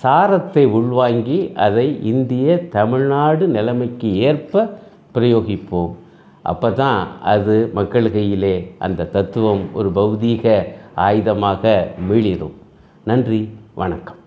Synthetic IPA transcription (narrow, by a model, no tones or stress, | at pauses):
saːɾɐt̪ːɐɪʊɭʋaːŋɡiʔɐðɐɪʔɪnd̪ɪjɐt̪ɐmɪɻnaːɽɯnɪlɐmɐɪkːɯeːrpɐ | pɪɾɐjoːɣɪpːoːm | ʔɐ̰pːɐːt̪ãːɐðɯmɐkːɐɭɯɣɐjɪleːʔɐ̰nd̪ɐt̪ɐt̪ːɯʋɐmɔ̰ɾɯbɐʋðiːɣɐaːjɯðɐmaːɣɐmiːɭɪɾɯ̰m | nɐndriʋɐ̰ɳɐkːɐ̥m